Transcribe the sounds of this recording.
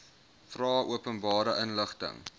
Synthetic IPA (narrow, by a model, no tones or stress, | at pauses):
frɑːʔuəpənbɑːɾəʔənləχtə̰ŋ